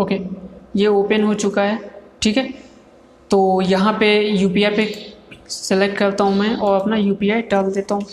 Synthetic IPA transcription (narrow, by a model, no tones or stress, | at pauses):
oːkeːjeoːpənɦot͡ʃʊkaɦɛːʈʰiːkɦɛː | t̪oːjɐɦãpejuːpiaːjpe | sɪlek̚ʈkɐɾt̪aɦũmɛ̃ːʔɔːɾɐpnajuːpiaːjɖaːld̪eːt̪aɦũː